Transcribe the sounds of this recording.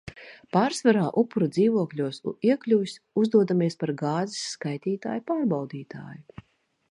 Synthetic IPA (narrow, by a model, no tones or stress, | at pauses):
paːɾsvaɾaːʔupːuɾud̪ziːvuɔkʎʲuɔsṵiɛklʲuvʲis | uzd̪uɔd̪amiɛspaɾɡaːzisːkajt̪iːt̪a̰ːjupaːɾbawd̪iːt̪ʰa̰ːju